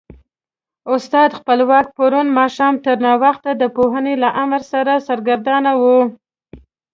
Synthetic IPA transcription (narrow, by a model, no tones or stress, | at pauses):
ʊst̪ɑd̪xpəlwɑk̚paɾunmɑʃɑmt̪əɾnɑwaxt̪ad̪əpoɦənelaʔamɾsaɾasaɾɡaɾd̪ɑnawu